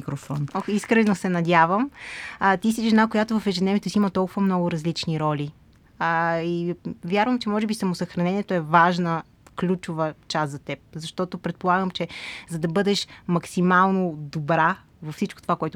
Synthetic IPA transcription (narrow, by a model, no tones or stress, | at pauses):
kɾofɔniskɾɛnosɛnɐd̪ʲjavəm | t̪is̬iʒɛnakojat̪ovɐfɛʒɛd̪nɛvʲjɛt̪ʊsiimət̪ɔlˠkʊvɐmnɔɡʊɾɐzlit͡ʃniɾɔlʲi | əivʲjaɾvəmt͡ʃɛmɔʒɛbisɐmosəxɾɐnɛniɛt̪oɛvaʒnə | klʲut͡ʃʊvət͡ʃast̪zɐt̪ɛp̚zɐʃt̪ɔt̪opɾɛt̪̚polˠaɡəmt͡ʃɛzɐd̪ɐbɤd̪ɛʃmɐksimalˠnod̪obɾa | vɐfsit͡ʃko̥t̪ovakoɛt̪